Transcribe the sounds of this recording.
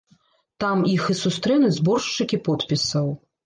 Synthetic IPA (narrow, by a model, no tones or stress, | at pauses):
t̪amixɨsust̪ɾɛnɨzbɔrʂt͡ʂːɨkʲipɔt̪pʲisɐw